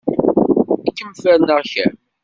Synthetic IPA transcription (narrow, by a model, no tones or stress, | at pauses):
ækːəmfæɾnəʁçæ